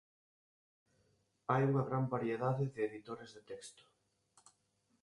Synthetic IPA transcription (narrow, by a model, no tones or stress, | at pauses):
ajuŋɐɣɾambaɾjeðaðɪðɪːðit̪oɾezðɪt̪ɛkst̪ʊ̥